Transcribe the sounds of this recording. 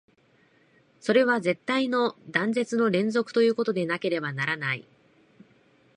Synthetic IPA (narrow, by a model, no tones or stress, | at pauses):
so̞ɾe̞β̞aze̞t̪ːaino̞d̪ãnze̞t͡sɨno̞ɾẽ̞nzo̞kɯ̥t̪o̞jɯ̟ːko̞t̪o̞d̪e̞nake̞ɾe̞banaɾanaḭ